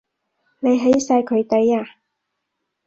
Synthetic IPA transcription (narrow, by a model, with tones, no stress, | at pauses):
ne˨˧jɦe˨˥jsaː˧jkʰɵ˨˧ɥt̪e˨˥jaː˧